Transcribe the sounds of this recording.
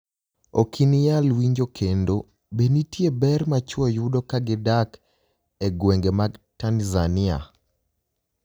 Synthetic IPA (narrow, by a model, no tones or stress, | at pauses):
okʰinijalwiɲd͡ʒokʰendo | benitjebɛrmat͡ʃɔjudokaɡɪdak | eɡweŋɡemaɡtanzanɪa̰